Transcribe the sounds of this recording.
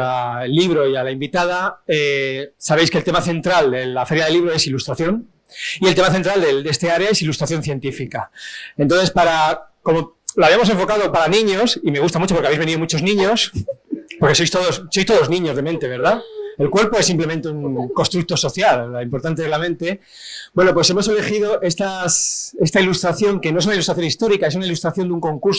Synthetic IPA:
aelːiβɾo̞ialaimbit̪að̞aesaβe̞jske̞lt̪e̞maθe̞nt̪ɾald̪e̞lafe̞ɾjaðe̞liβɾo̞e̞silust̪ɾaθjo̞n | ielt̪e̞maθent̪ɾald̪ed̪est̪eaɾeae̞silust̪ɾaθjo̞nθje̞nt̪ifikaent̪onθespaɾa | ko̞mo̞laβiamo̞s̬e̞ɱfo̞kað̞o̞paɾanĩɲosime̞ɣust̪amut͡ʃopɾkeaβezβe̞niðomut͡ʃo̞znĩɲos | po̞ɾke̞so̞jst̪o̞ðo̞sːo̞jst̪oðo̞znĩɲo̞zðe̞mẽnt̪eβe̞ɾðae̞lkwe̞ɾpo̞esːimple̞ment̪euŋko̞st̪ɾuk̚t̪o̞so̞θjalːaimpo̞ɾt̪ant̪eezlamẽ̞nt̪e̞ | bwe̞no̞p̬we̞s̬e̞mo̞se̞le̞xiðo̞ʔe̞st̪ase̞st̪ailust̪ɾaθjo̞ŋke̞no̞es̬unailust̪ɾaθjo̞nist̪o̞ɾikae̞sunailust̪ɾaθjond̪uŋko̞ŋkuɾs

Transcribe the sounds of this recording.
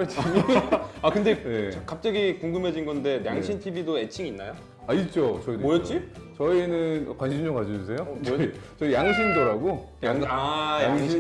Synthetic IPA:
t͡ɕʰaɲakɯnde̞jekap̚t͡ɕ͈aɡikuŋɡɯmɦe̞d͡ʑinɡʌnde̞njaŋɕʰintʰibidoet͡ɕʰiŋinːajo | ait̚t͡ɕ͈ot͡ɕʌimojʌt̚t͡ɕ͈it͡ɕʌinɯnkwanɕʰimd͡ʑoŋkad͡ʑʌd͡ʑus̬ʰe̞jot͡ɕʌit͡ɕʌijaŋɕʰindʌɾaɡojaŋajaŋi

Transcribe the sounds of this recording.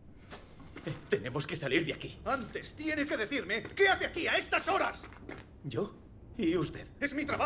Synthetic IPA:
et̪e̞ne̞mo̞ske̞saliɾðeakiant̪e̞st̪je̞ne̞ke̞ðe̞θiɾme̞ke̞aθeakiae̞st̪aso̞ɾas | ɟ͡ʝo̞ | iust̪e̞ðe̞zmit̪ɾaβa

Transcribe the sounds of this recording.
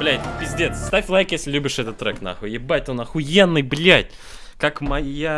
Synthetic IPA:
blʲæjtʲpʲɪzʲdʲet̪sst̪afʲlˠajkjesʲlʲɪlʲubʲɪʂɛt̪ət̪ːɾɛkna̰xʊjɪbat̚ʲt̪onɐxʊjenːɨjblʲætʲ | kakmɐja

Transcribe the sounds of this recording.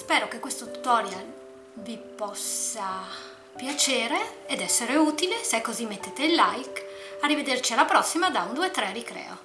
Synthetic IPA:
spɛːɾok̟ekːwest̪ot̪u̥t̪ɔːɾjal | vipɔsːa | pjat͡ʃeːɾeːd̪ɛsːeɾeuːt̪ileseɛkːozimːet̪ːeːt̪eilːajk | arːived̪ert͡ʃialːapɾɔsːimad̪aund̪uet̪ːɾɛrikɾɛ̰ːo̰

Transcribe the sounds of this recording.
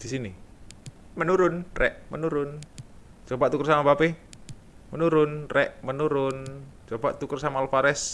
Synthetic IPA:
d̪̥isini | mənuɾʊnrɛʔmənuɾʊnt͡ʃobaʔt̪ukərsamabapi | mənuɾʊnrɛʔmənuɾʊn | t͡ʃobaʔt̪ukərsamalfaɾɛs

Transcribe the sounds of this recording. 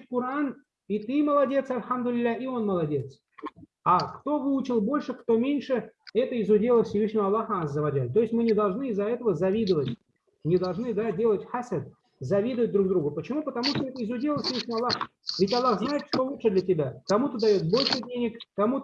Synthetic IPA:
tʲkʊɾan | it̪ɨməlˠɐdʲe̞t̪sɐlʲxamd̪ʊlʲɪlʲːaʔio̞nməlˠɐdʲe̞t̪s | akt̪o̞vɨʊt͡ɕɪlˠbo̞lʲʂɨkt̪o̞mʲenʲʂɨɛt̪əɪzʊdʲelˠəfsʲɪvɨʂnʲɪvəɐlˠːaxənazːəvɐd͡ʒat̪o̞jɪsʲmɨnʲɪd̪ɐlˠʐnɨɪzːɐɛt̪əvəzɐvʲid̪əvətʲ | nʲɪd̪ɐlˠʐnɨd̪adʲe̞lˠətʲħasʲəd̪ | zɐvʲid̪ɨəvət̚ʲd̪ɾuɡd̪ɾuɡʊpət͡ɕɪmupət̪ɐmuʂt̪oɛt̪əɪzʊdʲelˠəfsʲɪvɨʂnʲɪvɐlˠːaxvʲɪtʲɐlˠːaxznajɪt̪ʂt̪o̞lˠut̪ʂɨd̪lʲɐtʲɪbʲakɐmut̪əd̪ɐjo̞t̪̚bo̞lʲʂɨdʲenʲɪkːɐmu

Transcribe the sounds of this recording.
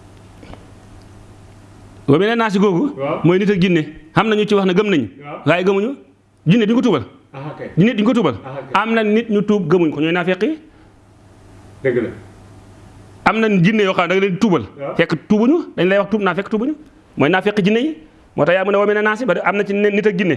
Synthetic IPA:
womenanas̬iɡoɡumojnitad͡ʒinːehamnaɲut͡ʃiwanaɡɐmnaɲuhajiɡamuɲw | d͡ʒinːediɲkut̬uːbal | d͡ʒinitukot̬uːbalamnannitɲutub̚ɡɐmuɲkoɲojnafekːiji | amnand͡ʒinːejokadaɡnitubalfekːituːbuɲwdaɲlajwaktuːbnafekːtuːbuɲu | mojnafekːid͡ʒinːeji | mʔotajamunawomenanasibadʔamnat͡ʃinitak̚d͡ʒinːe

